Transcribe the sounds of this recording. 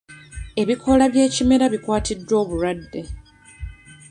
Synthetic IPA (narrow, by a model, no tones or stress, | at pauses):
e̞βikʰo̞laβje̞ːcime̞ɾaβikwaːtʰidːwo̞ːβuɾadːe̞